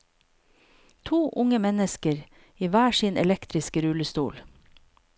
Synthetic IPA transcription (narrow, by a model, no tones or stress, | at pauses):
t̪ʰuːʔʊŋəmɛnəskəɾ | iːʋæːʃiːnʔɛ̰lɛkt̪ɾɪskəɾʉləst̪ṵːl